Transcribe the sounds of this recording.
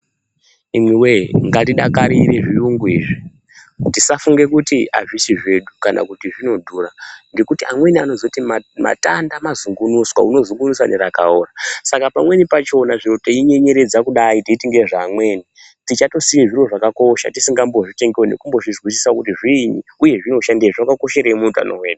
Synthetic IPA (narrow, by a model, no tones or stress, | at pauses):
imwiweŋɡatiɗakaɾiɾe̞ʐijuŋɡuiːʐi | tisafuŋɡe̞kutia̰ʐisiʐe̞ɗukanʔa̰kutiʐino̞dʱuːraŋɡe̞kutiamwe̞niano̞zotiama̰ta̰ndamazuŋɡunuswa̰uno̞zuŋɡunuswaneɾakaoːrasakapamwe̞nipat͡ʃo̞naʐiro̞teiɲe̞ɲe̞ɾe̞d͡zakuɗaitiitiŋɡe̞ʐaːmwe̞ːni | tit͡ʃato̞sijeʐiro̞ʐakako̞ʃa̰tisiŋɡambo̞ʐite̞ŋɡewenḛkumbo̞ʐizwis̬isakutiʐiːɲiuje̞ʐino̞ʃandieʐakako̞ʃeɾeimuuta̰noweːɗu